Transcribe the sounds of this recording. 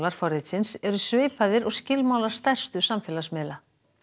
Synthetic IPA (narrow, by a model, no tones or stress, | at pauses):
laɾ̥fɔɾejt̪sɪnsɛɾʏsveːjpaðɪɾɔɣscɪlmaːwlaɾ̥st̪ɛr̥st̪ʏsamfɛːlasmɛːla